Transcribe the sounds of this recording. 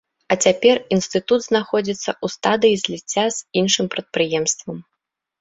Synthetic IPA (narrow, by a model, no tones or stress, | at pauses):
ɐt͡sʲapʲɛrinst̪ɨt̪ud̪znaxɔd͡zʲit̪sːɐʔust̪ad̪ɨjizʲlʲit͡sʲːaz̥inʂɨmpɾɐt̪̚pɾɨjɛmst̪vɐm